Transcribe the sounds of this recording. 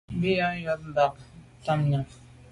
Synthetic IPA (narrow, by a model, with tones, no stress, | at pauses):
m˦bi˦ja˦jɔ˦t̚m̩˨ba˨k̚ta˦mɲa˨